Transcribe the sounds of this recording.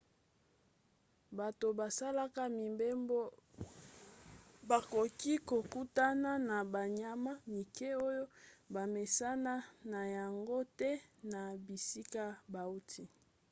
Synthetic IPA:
ba˨to˨ba˨sa˦la˦ka˦mi˨mbe˦mbo˦ | ba˨ko˨ki˦ko˨ku˦ta˦na˦na˨ba˨ɲa˦ma˦mi˨ke˦o˦jo˦ba˨me˨sa˦na˦na˨ja˨ŋɡo˦tɛ˦na˨bi˨si˦ka˦ba˨u˦tʰi˦

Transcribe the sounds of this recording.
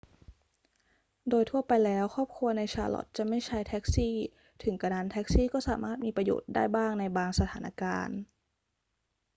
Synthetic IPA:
doː˧jt̪ʰu˥˩ɐpa˧jlɛː˦˥wkʰɔː˥˩p̚kʰu˧ɐna˧jt͡ɕʰa̰ː˧lɔ̰˨˩t̪̚t͡ɕa˨˩ma˥˩jt͡ɕʰa˥˩jt̪ʰɛ˦˥k̚siː˥˩ | t̪ʰɯ˩˦ŋka˧naː˧˥nt̪ʰɛː˦˥k̚siː˥˩kɔː˥˩saː˩˦maː˥˩t̪̚miː˧pɾa˧jo̰ː˨˩t̪̚da̰ː˥˩jbaː˥˩ŋna˧jbaː˧ŋsa˧t̪ʰaː˩˦nʔa̰˧ka̰ː˧n

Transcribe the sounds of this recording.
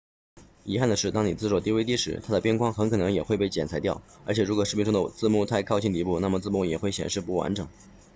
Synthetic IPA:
i˧˥xa˥˩nd̪ə˩ʂɻ̩˥˩t̪ɑ˥ŋni˨˩t͡sɹ̩˥˧ʂwɔ˥˩t̪i˥˧we˥t̪i˥˩ʂɻ̩˧˥t̪ʰa˥d̪ə˨pjɛ˥nkwɑ˥ŋxə˧˥nkʰɤ˨˩nɤ˧˥ŋjɛ˨˩xwe˥˧pe˥˩ɪt͡ɕjɛ˨˩nt͡sʰa˧˥ɪt̪jɑ˥˩ʊə˞˧˥t͡ɕʰjɛ˨˩ɻu˧˥kwɔ˨˩ʂɻ̩˥˩pi˥nʈ͡ʂʊ˥d̪ə˨˧t͡sɹ̩˥˧mu˥˧t̪ʰa˥˧ɪkʰɑ˥˧ʊt͡ɕʰi˥˩ŋt̪i˧˥pu˥˧na˥˩mə˩t͡sɹ̩˥˧mu˥˩jɛ˨˩xwe˥˩ɪɕjɛ̰˨˩nʂɻ̩˥˧pu˥˩wa̰˧˥nʈ͡ʂɤ˨˩˦ŋ

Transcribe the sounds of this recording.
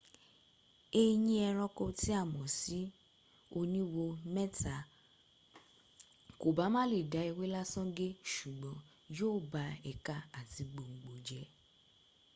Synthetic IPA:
e˧j̃ĩ˧ɛ˧ɾ̃ɔ̃˧ko˧ti˨˦a˦˨mɔ̃˨si˨˦ | o˧nĩ˦wo˧mɛ̃˦ta˨ | ko˨ba˨˦mã˦le˦˨da˨˦i˧we˦la˦sɔ̃˦ɡe˦ʃu˨ɡ͡bɔ̃˨˦ | joː˦˨ba˧ɛ˨ka˧a˨ti˧ɡ͡bo˧ŋ͡m̩˨ɡ͡bo˨d͡ʒɛ˨˦

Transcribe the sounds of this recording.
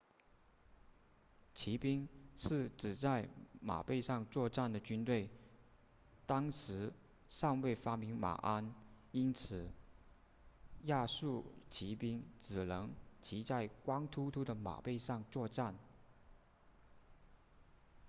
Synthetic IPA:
t͡ɕʰi˧˥pi˥ŋʂɻ̩˥˩ʈ͡ʂɻ̩˨˩t͡sa˥˩ɪma̰˨˩pe˥˧ɪʂɑ˥˧ŋt͡swɔ˥˧ʈ͡ʂa˥˩nd̪ə˩t͡ɕy˥nt̪we˥˩ɪ | t̪ɑ˥ŋʂɻ̩˧˥ | ʂɑ˥˧ŋwe˥˩ɪfa˥mi˧˥ŋma̰˨˩ʔa˥ni˥nt͡sʰɹ̩˨˩ | ja˥˧ʂu˥˩t͡ɕʰi˧˥pi˥ŋt͡sɹ̩˨˩lɤ˧˥ŋt͡ɕʰi˧˥t͡sa˥˩ɪkwɑ˥ŋt̪ʰu˥t̪ʰu˥d̪ə˨ma̰˨˩pe˥˧ɪʂɑ˥˧ŋt͡swɔ˥˧ʈ͡ʂa˥˩n

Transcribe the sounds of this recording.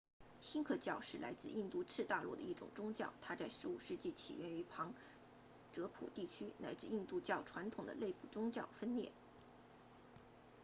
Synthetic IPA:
ɕi˥nkʰɤ˥˧t͡ɕjɑ˥˧ʊʂɻ̩˥˩la̰˧˥ɪt͡sɹ̩˥˧ʔi˥˧nt̪u˥˧t͡sʰɻ̩˥˧t̪a˥˧lwɔ̰˥˩d̪ə˩i˥˩ʈ͡ʂʊ̰˨˩ŋʈ͡ʂʊ˥ŋt͡ɕjɑ˥˩ʊt̪ʰa˥t͡sa˥˩ɪʂɻ̩˧˥u˨˩ʂɻ̩˥˧t͡ɕi˥˩t͡ɕʰḭ˨˩ɥɛ˥ny˧˥pʰɑ˧˥ŋ | ʈ͡ʂɤ˧˥pʰṵ˨˩t̪i˥˩t͡ɕʰy˥na˧˥ɪt͡sɻ̩˥˧i˥˧nt̪u˥˧t͡ɕjɑ˥˩ʊʈ͡ʂʰwa˧˥nt̪ʰʊ˨˩ŋd̪ə̰˦le˥˧ɪpu˥˩ʈ͡ʂʊ˥ŋt͡ɕjɑ˥˩ʊfə˥nljɛ̰˥˩

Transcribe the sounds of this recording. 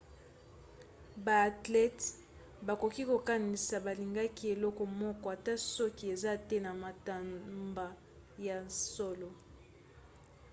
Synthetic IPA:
ba˨a˨tlɛ˦t | ba˨ko˨ki˦ko˨ka˦ni˨sa˨ba˨li˨ŋɡa˦ki˦e˨lɔ˦kɔ˨mɔ˦kɔ˦a˨ta˦sɔ˦ki˦e˨za˦tɛ˦na˨ma˨ta˨mba˨ | ja˨nsɔ˦lɔ˨

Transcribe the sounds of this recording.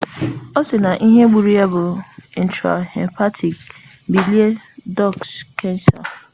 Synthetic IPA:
o˦sɪ˨na˨ʔi˦ɦe˦ɡ͡bu˨ɾi˦a˦bʊ˨i˨n̩˦ta̰˨ɛ̰˨mpa˦tʰi˨k | bi˨li˦e˦dɔ˦˨kskːɛ˦n˦sa̰˨

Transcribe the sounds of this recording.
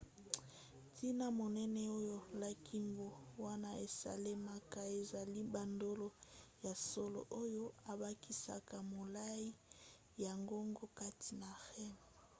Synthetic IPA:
tʰi˦na˦mo˨nɛ˦nɛ˦o˦jo˦˨la˦kʰi˦mbo˨wa˦na˦e˨sa̰˨le˦ma˦ka˨e˨za˨li˦ba˨ndo˦lo˨ja˨so˦lo̰˨ʔo˦jo˦a˨ba˦ki˦sa̰˨ka˨mo˨la˦i˦ | ja˨ŋɡo˦ŋɡo˦ka˦ti˨na˨xɛ˦m˨

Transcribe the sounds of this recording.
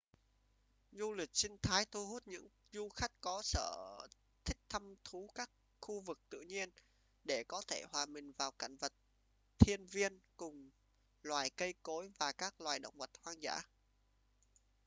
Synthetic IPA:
zu˧lï˨˩k̟̚sï˧ŋ̟t̪ʰaː˨˦jt̪ʰu˧ɦu˦˥t̚ɲɨ̰˧˥ŋ | zu˧xa˦˥jk̟̚kɔ˨˦sə̰ː˧˩ | t̪ʰï˦˥k̟̚t̪ʰa˧mt̪ʰu˨˦kaː˦˥k̚ | xu˧vɨ˨˩k̚t̪ɨ̰˧˨ɲi˧ən | ɗe˧˩kɔ˨˦t̪ʰe˧˩hwaː˨˩ɓï˨˩ŋ̟vaː˨˩wka̰˧˩ŋ̟və˨˩t̚ | t̪ʰi˧ənvi˧ənkʊ˨˩ŋ͡m | lwaː˨˩jkə˧jko˨˦jvaː˨˩kaː˦˥k̚lwaː˨˩jɗə̰˧˨wŋ͡mvə˨˩t̚hwaː˧ŋza̰ː˧˥

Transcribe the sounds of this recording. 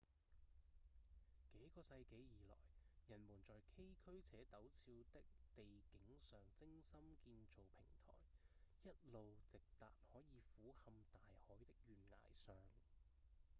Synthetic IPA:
ke˨˥jkɔː˧sɐ˧jke˨˥jjiː˨˩lɔ̰ː˨˩jjɐ˨˩nmuː˨˩nt͡sɔː˨jkʰe˥jkʰɵ˥ɥt͡sʰɛː˨˥t̪ɐ˨˥wt͡sʰiː˧wt̪ɪ˥k̚t̪e˨jkɪ˨˥ŋsœː˨ŋt͡sɪ˥ŋsɐ˥mkiː˧nt͡so˨wpʰɪ˨˩ŋt̪ʰɔ̰ː˨˩jjɐ˥t̚lo˨wt͡sɪ˨k̚t̪aː˨t̚hɔː˨˥jiː˨˧fuː˨˥hɐ˧mt̪aː˨jhɔː˨˥jt̪ɪ˥k̚jyː˨nŋa̰ː˨˩jsœː˨ŋ

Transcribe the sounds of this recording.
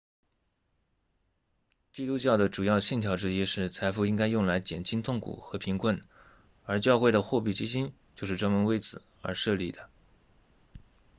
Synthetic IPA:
t͡ɕi˥t̪u˥t͡ɕjɑ˥˩ʊd̪ə˩ʈ͡ʂu˨˩jɑ˥˩ʊɕi˥˩nt̪ʰjɑ˧˥ʊʈ͡ʂɻ̩˥i˥ʂɻ̩˥˩t͡sʰa˧˥ɪfu˥˧i˥ŋka˥ɪjʊ˥˩ŋla˧˥ɪt͡ɕjɛ˨˩nt͡ɕʰi˥nt̪ʰʊ˥˩ŋkʰṵ˨˩xɤ˧˥pʰi˧˥ŋkʰwə˥˩n | ə˞˧˥t͡ɕjɑ˥˧ʊxwe˥˩ɪd̪ə˩xwɔ˥˧pi˥˩t͡ɕi˥ɕi˥nt͡ɕjo˥˧ʊʂɻ̩˥˧ʈ͡ʂɤ˥˩mə˧˥nwe˥ɪt͡sʰɹ̩˨˩ | ə̰˞˧˥ʂɤ˥˧li˥˩d̪ə˦

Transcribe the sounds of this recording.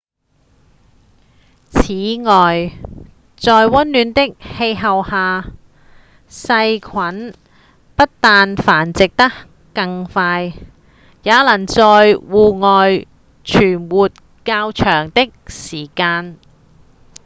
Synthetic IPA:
t͡sʰiː˨˥ŋɔː˨j | t͡sɔː˨jwɐ˥nlyː˨˧nt̪ɪ˥k̚he˧jɦɐ˨whaː˨˧ | sɐ˧jkʰɐ˨˥n | pɐ˥t̚t̪aː˨nfaː˨˩nt͡sɪ˨k̚t̪ɐ˥k | kːɐ˧ŋfaː˧j | jaː˨˥lɐ˨˩nt͡sɔː˨˧jwuː˨ŋɔː˨j | t͡ʃʰyː˨˩nwuː˨t̚ | kaː˧wt͡ʃʰœː˨˩ŋt̪ɪ˥k̚siː˨˩kaː˧n

